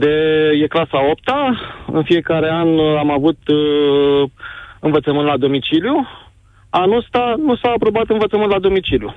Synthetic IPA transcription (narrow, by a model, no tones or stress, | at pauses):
d̪ejeklasao̞p̚t̪aɨ̰nfie̞kaɾe̞anamavut̪ | ɨnvət̪səmɨnt̪lad̪o̞mit͡ʃilju | anost̪anusaːpɾo̞bat̪ɨnvət̪səmɨnt̪lad̪o̞mit͡ʃilju